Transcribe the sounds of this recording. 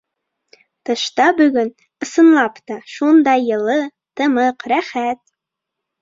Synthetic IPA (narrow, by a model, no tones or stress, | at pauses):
t̪ɤ̆ʃt̪ɑbyɡʲɵn | əsənlˠɑpt̪ɑʃund̪ɑjɤ̆lɤ | t̪əmɤqɾæχæt̪̚